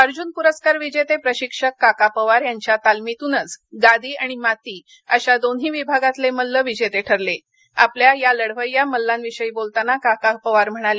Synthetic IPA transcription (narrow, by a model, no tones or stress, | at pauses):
əɾd͡ʑuːnpuɾəskaɾʋid͡ʑet̪epɾəɕikʂəkːakapəʋaɾjaɲt͡ɕjat̪almit̪unət͡sɡad̪iːaɽ̃imat̪iː | əɕad̪onɦiːʋibʱaɡat̪leməlːəʋid͡ʑet̪eʈʰəɾle | a̰pljajaləɽʋəjjaməlːãnʋiʂəiːbolt̪anakakapəʋaɾm̤əɽ̃ale